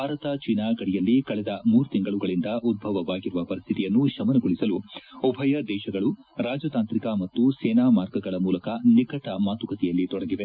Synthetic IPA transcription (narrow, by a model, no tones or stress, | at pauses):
bʱaːɾɐt̪ɐt͡ʃinaːɡɐɽijɐlːikɐɭɛd̪ɐmuːɾut̪iŋɡɐɭuɡɐɭind̪ɐʔud̪̚bʱɐʋɐʋaːɡiɾuʋɐpɐɾist̪ʰit̪ijɐnːuʃɐmɐnɐɡoɭisɐluɔbʱɐjɐd̪ɛːʃɐɡɐɭu | ɾaːd͡ʒɐt̪aːnt̪ɾikamɐt̪ːusɛːnaːmaːɾɡɐɡɐɭɐmuːlɐkɐnikɐʈɐmaːt̪ukɐt̪ɛjɐlːit̪ɔɽɐɡiʋe